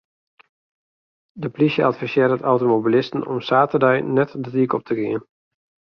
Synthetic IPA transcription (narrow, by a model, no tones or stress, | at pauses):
dəplisjəatfisɪdətawtomobilɪstən̩ɔ̰msaːtərdɛjnɛtdətiəkɔp̚tʰəɡiən